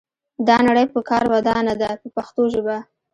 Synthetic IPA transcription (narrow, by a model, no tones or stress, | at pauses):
d̪ɑnaɽəjpəkɑɾwad̪ɑnad̪apəpaxt̪oʒəba